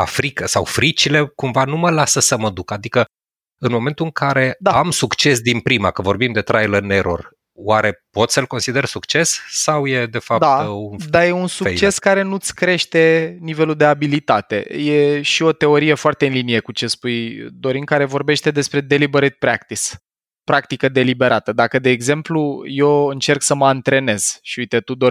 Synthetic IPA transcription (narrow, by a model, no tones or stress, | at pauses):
a̰fɾikəsa̰wfɾit͡ʃile̞kumvanuməlasəsəməd̪ukad̪ikə | ɨnmo̞me̞nt̪uɨŋkʰaɾe̞d̪aamsukt͡ʃe̞s̬d̪inpɾima̰kəvo̞rbimd̪e̞t̪ɾajlərneɾo̞̰r | waɾe̞po̞t̪səlko̞nsid̪ersukt͡ʃe̞ssawje̞d̪e̞fap̚d̪at̪und̪aje̞unsuet͡ʃe̞skaɾe̞nut̪sʲkɾe̞ʃt̪e̞nive̞luld̪e̞abilit̪at̪e̞̰jeʃio̞t̪e̞o̞ɾije̞foart̪e̞ɨnlinije̞kut͡ʃe̞spujd̪o̞ɾiŋkaɾe̞vo̞rbe̞ʃt̪e̞d̪e̞spɾe̞d̪e̞libeɾit̪̚pɾakt̪is | pɾak̚t̪ikəd̪e̞libe̞ɾat̪əd̪akəd̪e̞ːɡze̞mpluje̞ɨnt͡ʃe̞rksəməant̪ɾe̞ne̞z̥ʃiujt̪e̞t̪ud̪o